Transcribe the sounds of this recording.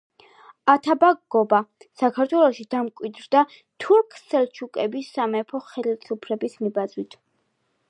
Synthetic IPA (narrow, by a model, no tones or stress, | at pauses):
at̪ʰabaɡɡɔbasakʰaɾt̪ʰwɛlˠɔʃid̪̥amkʼwid̪ɾd̪a | t̪ʰuɾkʰsɛlt͡ʃʰukʼɛbisamɛpʰɔχɛlilsʼupʰɾɛbismibazwit̪ʰ